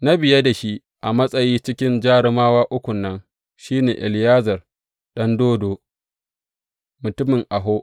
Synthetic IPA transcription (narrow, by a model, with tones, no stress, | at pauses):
na˦bɪ˨ja˦da˨ʃi˦ | ʔa˨mɐ˦sʼɐ˨jiː˦t͡ʃɪ˦kʲɪ˦nd͡ʒaː˦ɽɪ˦maː˦waː˦ʔʊ˦kʷʊ˨nːɐ˦n | ʃiː˦neː˨ʔɪ˨lɪ˨jaː˦zɐ˨r | ɗɐ˦ndoː˦doː˨ | mʊ˨tʊ˦mɪ˨ŋʔa˨ɦoː˦ʔ